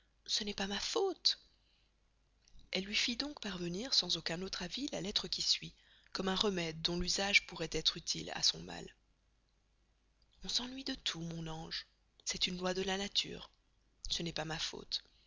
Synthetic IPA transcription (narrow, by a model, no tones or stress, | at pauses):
sənɛpamafot̪ | ɛlːɥifid̪ɔ̃kpaʁvəniʁsɑ̃zokʲɛ̃not̪χavila̰lɛt̪χəkʲisɥi | kɔmɛ̃ʁəmɛd̪̚ːɔ̃lyzaʒpuʁɛt̪ɛt̪χyt̪ʰila̰sɔ̃ma̰l | ɔ̃sɑ̃nɥid̪ət̪ʰumɔ̃nɑ̃ʒ | sɛt̪ynlwad̪əlanat̪ʰy̰ːʁ | sənɛpamafo̰t̪